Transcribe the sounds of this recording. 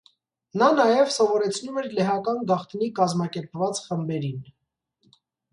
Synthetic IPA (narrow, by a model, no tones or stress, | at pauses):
nɑnɑjɛvsɔvɔɾɛt͡sʰnumɛɾlɛɦɑkɑnɡɑχt̪nikɑzmɑkɛɾpvɑt͡sχəmbɛɾin